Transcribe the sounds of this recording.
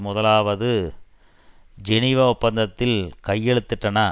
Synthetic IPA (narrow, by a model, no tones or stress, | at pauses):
mʊðɐlaːʋɐðɯ | d͡ʒɛnɪʋaʊpːɐnd̪ɐt̪ːɪlkɐjːɛɻɯt̪ːɯʈːɐnɐ